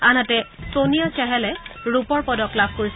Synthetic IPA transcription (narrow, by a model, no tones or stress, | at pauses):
anatɛsonijat͡ʃaɦɛlɛɹupɔɹpɔdɔklabʱkoɹis